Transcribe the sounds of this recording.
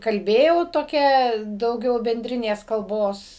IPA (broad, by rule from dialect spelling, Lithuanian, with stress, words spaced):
kɐlʲˈbʲeːjɛʊ toːˈkʲɛ dɐʊˈɡʲɛʊ bʲɛnʲˈdʲrʲɪnʲeːs kɐlˠˈboːs